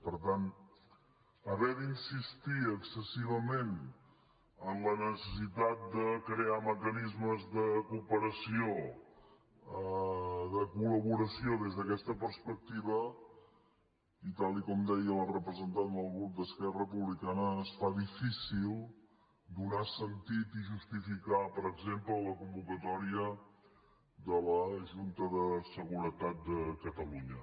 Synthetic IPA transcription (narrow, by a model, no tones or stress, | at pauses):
pəɾt̪an | əβɛðinsist̪iəksəsiβəmen | əmlənəsəsit̪at̪̚d̪əkɾeaməkənizməzðəkupəɾəsio | əðəkuləβuɾəsioðezðəkɛst̪əpəɾspək̚t̪iβə | it̪alˠikɔmd̪ɛjəlrəpɾəzənt̪and̪əlˠɣud̪əskɛrəəpuβlikanəːsfaðifisilˠ | d̪unasənt̪it̪iʒust̪ifikapəɾəɡzemplələkumbukət̪ɔɾiə | d̪ələʒunt̪əðəsəɣuɾət̪at̪̚d̪əkət̪əluɲə